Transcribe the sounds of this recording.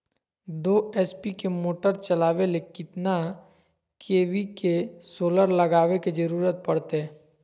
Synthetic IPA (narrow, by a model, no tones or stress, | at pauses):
d̪oːɛːspikemoːʈəɾt͡ʃɐlaːʋelekɪt̪na | kʰeːʋikesoːləɾləɡaːʋeked͡ʒɐɾuːɾət̪̚pɐɽt̪eɦɛː